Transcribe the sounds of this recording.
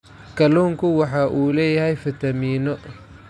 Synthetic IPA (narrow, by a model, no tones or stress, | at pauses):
kʰɐluːŋkʰʊwɑħɑːʔuːlɛːjɐɦɛjfɪt̪ʰɐmiːnɔ